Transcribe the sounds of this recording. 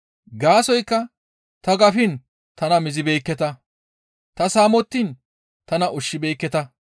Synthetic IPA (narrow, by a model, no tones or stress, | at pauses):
ɡaːsɔjkːɐ | t̪ɐɡɐfɪn | t̪ɐnɐmɪzɪbeːkːɛt̪ɐ | t̪ɐsaːmɔt̪ːiːn | t̪ɐnɐʔʊʃːɪbeːkːɛt̪ɐ